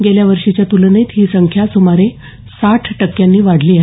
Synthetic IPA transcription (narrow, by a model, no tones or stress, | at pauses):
ɡeljaʋəɾʂit͡ɕjat̪ulnet̪ɦiːsəŋkʰjasumaɾe | saʈʰʈəkːjanːiːʋaɽliːaɦ